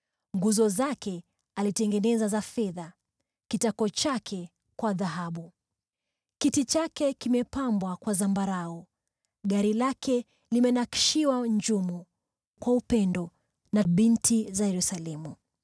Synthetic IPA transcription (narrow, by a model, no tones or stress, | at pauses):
ŋɡuzɔzakɛ | alitɛŋɡɛnɛzazafɛða | kitakɔt͡ʃakʰɛ | kwaðaɦaɓu | kitit͡ʃakɛkimɛpambwakwazambaɾaɔ | ɠaɾilakʰɛ | limɛnaki̥ʃiwaɲd͡ʒumu | kwaupɛndɔ | naɓintʰizajɛɾusalɛmu